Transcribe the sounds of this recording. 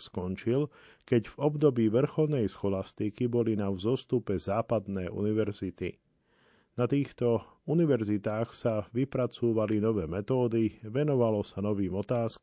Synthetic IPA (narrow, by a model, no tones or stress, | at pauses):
skɔnt͡ʃil | kɛɟvɔbd̪ɔbiːʋr̩xɔlnɛjsxɔlast̪ikibɔlinavzɔst̪upɛzaːpad̪nɛːʔṵniʋɛɾzit̪ḭ | nat̪iːxt̪ɔuniʋɛɾzit̪aːxsaʋipɾat͡suːʋalinɔʋɛːmɛt̪ɔːd̪iʋɛnɔʋalɔsanɔʋiːmɔt̪aːsk